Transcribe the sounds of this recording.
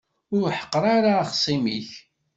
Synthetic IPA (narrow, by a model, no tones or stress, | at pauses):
ʊɾħə̥qːɾˤaɾaχsˤimiç